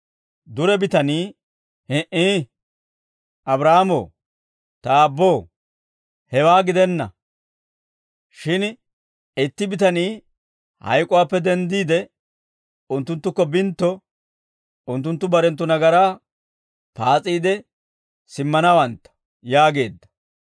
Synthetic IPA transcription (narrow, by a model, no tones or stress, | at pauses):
d̪ʊɾɛbɪt̪ɐniː | hɛʔiː | ʔɐbɾaːmo̰ː | t̪ɐːbːoː | hɛwaːɡɪd̪ɛnːɐ̰ | ʃɪn | ɪt̪ːɪbɪt̪ɐniː | hɐ̰jkʼʊwaːpːɛd̪ɛnd̪iːd̪ɛ | ʊnt̪ːʊnt̪ːʊkːɔbɪnt̪ːɔ | ʊnt̪ːʊnt̪ːʊbɐɾɛnt̪ːʊnɐɡɐɾaː | paːt͡sʼiːd̪ɛ | sɪmːɐnawɐnt̪ːɐ̥ | jaːɡe̞ːd̪ːɐ̥